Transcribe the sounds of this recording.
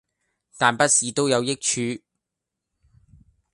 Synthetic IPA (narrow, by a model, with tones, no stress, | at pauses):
t̪aː˨npɐ˥t̚siː˨t̪o˥wjɐ˨˧wjɪ˥k̚t͡ʃʰyː˨˧